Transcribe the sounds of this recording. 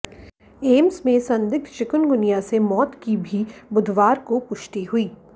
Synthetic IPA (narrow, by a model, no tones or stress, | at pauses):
eːmsmẽsɐ̃nd̪ɪk̚t̪ʰt͡ʃɪkʊnɡʊnijasemɔːt̪kibʱibʊd̪ʱʋaːɾkopʊʃt̪iɦʊiː